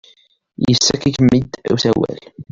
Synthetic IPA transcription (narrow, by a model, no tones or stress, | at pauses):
jəsːækikmːid̪ṵθæwæ̰l